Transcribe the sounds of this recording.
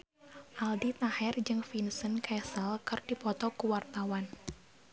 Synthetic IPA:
ʔaldit̪ahɛrd͡ʒɨŋfinsənkʰɛsəlkɨrdipɔt̪ɔkuwart̪awan

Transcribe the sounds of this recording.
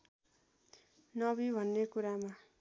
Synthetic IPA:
nʌbibʱʌnːekuɾama

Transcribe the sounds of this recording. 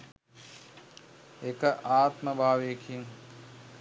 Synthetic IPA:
ekəʔaːt̪mɐbʱaːʋeːkʰiŋ

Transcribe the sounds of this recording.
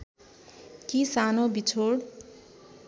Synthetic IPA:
kisanobit͡sʰoɽ

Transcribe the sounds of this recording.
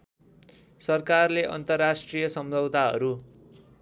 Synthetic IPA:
sʌrkarleʔʌ̰nt̪ʌrːasʈrijʌsʌmd͡zʱʌbt̪aɦʌ̰ɾu

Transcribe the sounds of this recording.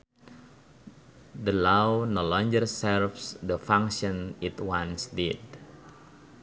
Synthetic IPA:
dəlawnɔlɔ̃ŋɡərsɛɾfsdəfãŋʃɔ̃nit̪wãnsdid̚

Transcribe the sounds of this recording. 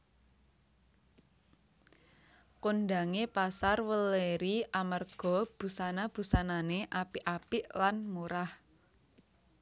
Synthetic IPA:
konɖaŋepasarwəleɾiʔamərɡ̥ɔ̤b̥ṳsanab̥ṳsananeʔapiʔapiʔlanmuɾah

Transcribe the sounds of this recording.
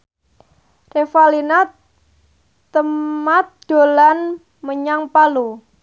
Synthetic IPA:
refalina | t̪əmat̪̚d̪̥o̤lan | məɲaŋpalu

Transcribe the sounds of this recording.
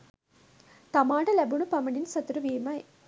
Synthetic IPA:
t̪ɐmaːʈɐlɛbuɳupɐmɐɳinsɐt̪uɾuʋiːmɐj

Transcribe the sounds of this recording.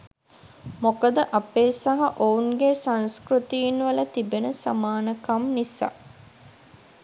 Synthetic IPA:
mokəd̪əʔapeːsɐɦaʔouŋɡesãnskrut̪iinʋɐlɐt̪ibenəsa̰maːnəkɐmnisa̰

